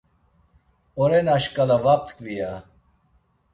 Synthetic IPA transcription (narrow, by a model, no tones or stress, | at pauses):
oɾenaɕkalaʋap̚t̪kʋija